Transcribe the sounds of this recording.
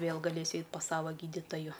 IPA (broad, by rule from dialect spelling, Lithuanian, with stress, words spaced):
ˈʋʲeːlˠ ɡɐˈlʲeːs ˈɛɪt pɐs ˈsɑːʋɐ ˈɡʲiːdʲɪtɐjʊ